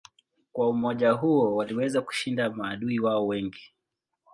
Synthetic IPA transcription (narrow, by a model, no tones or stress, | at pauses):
kwaumɔʄaɦuɔwaliwɛzaku̥ʃindamaːɗuiwaɔwɛŋɡi